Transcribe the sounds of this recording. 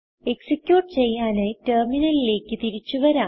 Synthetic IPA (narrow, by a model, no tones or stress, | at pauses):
e̞ksikʲjuːʈːɨt͡ɕe̞jːaːneterminɐlile̞ːkːɨt̪iɾit͡ɕːuʋɐɾaː